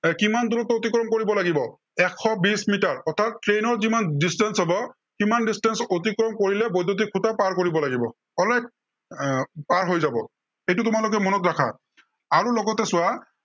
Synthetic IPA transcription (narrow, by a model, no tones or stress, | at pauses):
kimandulɔtɔot̪ikɹɔmkoɹibɔlaɡibɔ | ɛkʰːɔbismitaɹɔt̪ʰattɹenɔɹzimandistɛnsɦɔbɔ | kimandistɛnsotikɹɔmkoɹilɛbɔjdot̬ikʰutapaɹkoɹibɔlaɡibɔ | ɔlaj̚ | paɹɦojzabɔ | ejtutʊmalʊk̬ɛmɔnɔtɹakʰa̰ | aɹulɔɡɔtɛsʊwa